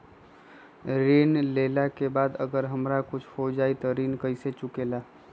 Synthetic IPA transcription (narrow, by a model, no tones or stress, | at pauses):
ɾeːnleːlakebaːd̪əɡəɾɦəmɾakʊt͡ʃʰhod͡ʒaːit̪oɾiːnkəɪset͡ʃʊkelaː